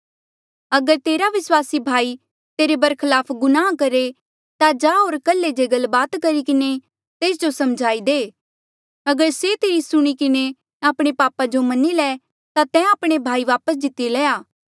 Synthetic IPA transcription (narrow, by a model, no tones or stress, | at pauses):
ɐɡəɾt̪eːɾaʋɪswaːsibʱaːi | t̪eːɾebɐɾkʰɪlaːpʰɡʊnãːkɐɾe | t̪ad͡ʒaːɦoːɾkɐlːed͡ʒeːɡəlbaːt̪kɐɾikɪne | t̪eːs̬d͡ʒosɐmd͡ʒʱaːid̪eː | ɐɡəɾset̪eːɾisʊɽ̃ikɪne | aːpɽ̃epaːpad͡ʒomɐnilɛː | t̪at̪ɛ̃aːpɽ̃ebʱaːiʋaːpəs̬d͡ʒ̪ɪt̪ːilɛːaː